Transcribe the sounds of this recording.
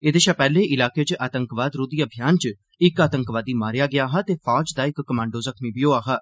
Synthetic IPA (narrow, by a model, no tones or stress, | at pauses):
eːd̪eːʃaːpɛːleːʔɪlaːkeːt͡ʃʔaːt̪əŋkʋaːd̪ɾuːd̪iːəbʱɪjaːnt͡ʃ | ɪkaːt̪əŋkʋaːd̪iːmaːɾjaːɡɪjaːɦaːt̪eːfʰaːd͡ʒd̪aːɪkːəmãːɳɖoːzəkʰmiːbijoːaːɦaː